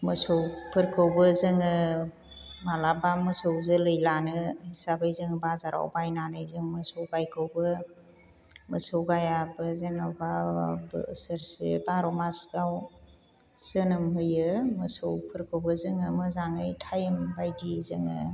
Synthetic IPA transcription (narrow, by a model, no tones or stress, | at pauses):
mɯsowpʰɯɾkʰɯwbɯzɯŋɯ | malabamɯsɯwzɯlɯjlanɯhisabɯjzɯŋbazaɾa̰wbajnanɯjzɯŋmɯsɔwɡajkʰɯwbɯ | mɯsɯwɡajabɯzenababɯ̰ːsɯɾsḛbaɾɔmasɡaw | z̥ɯnɯmɦɯjɯmɯsɯwpʰɯɾkʰɯwbɯzɯŋɯmɯzaŋɯjtʰajɯmbajdizɯŋɯ̰